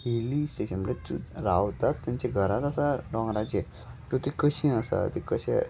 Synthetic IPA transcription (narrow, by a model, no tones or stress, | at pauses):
hilisʈeɕənmɽt͡ɕṵɾawt̪at̪ːjãɲt͡ɕaɡʱəɾat̪asaɖɔ̃ŋɡɾad͡ʑe | t̪ot̪ekəɕĩəsa̰t̪ekəɕɛ̰